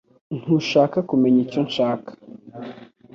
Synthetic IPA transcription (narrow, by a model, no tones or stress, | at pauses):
n̥uʃakakumeɲiconʃaːkḁ